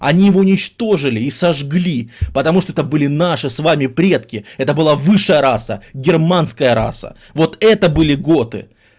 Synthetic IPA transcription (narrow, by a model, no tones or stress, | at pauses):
ɐ̰nʲijɪvoʊnʲɪt͡ɕt̪o̞ʐɨlʲɪːsɐʐɡlʲipət̪ɐmuʂt̪oɛt̪əbɨlʲɪnaʂɨsvamʲɪpɾʲe̞t̪kʲɪɛt̪əbɨlˠavɨʂːəjəɾasə̰ɡʲɪrmanskəjəɾa̰sə̰ | vo̞t̪ɛt̪əbɨlʲɪɡo̞t̪ɨ̰